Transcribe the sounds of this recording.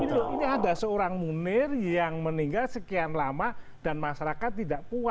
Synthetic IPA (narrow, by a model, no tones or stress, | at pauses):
ioiniadasəoɾaŋmunɪrjaŋməniŋɡalsəkianlama | d̥anmaʃaɾakat̪ːidaʔpua